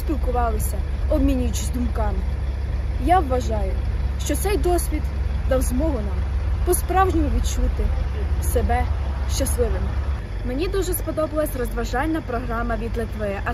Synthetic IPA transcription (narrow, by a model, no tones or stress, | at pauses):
sʲpʲilˠkʊʋɑlˠɪsʲɐɔbmʲinʲʊjʊt͡ʃɪsʲd̪ʊmkɑm | jaʋːʋɐʒɑjʊʃt͡ʃɔt̪sɛjd̪ɔsʲʋʲid̪d̪ɐwzmɔɦʊnɑmpɔspɾɑwʒnʲɔmɔʋʲid̪̚t͡ʃut̪ɪsebɛʃt͡ʃɐslˠɪʋɪm | menʲid̪uʒɛspɔd̪ɔbɐlˠɐsʲrɔzʋɐʒɑlʲnɐpɾɔɦɾɑmɐʋʲid̪lʲˠɪt̪ʋɔjɛʔɐ